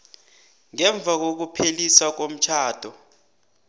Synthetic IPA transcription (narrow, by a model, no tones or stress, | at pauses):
ŋɛɱb̪vʱak̬ok̬upʰelisak̬om̩t͡ʃʰaːd̥ʱɔ